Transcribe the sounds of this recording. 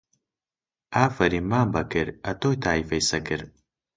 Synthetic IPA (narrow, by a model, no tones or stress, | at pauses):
aːfɐɾimaːmbɐkɨɾɐtʰojtʰaːifɐjsɐkɨɾ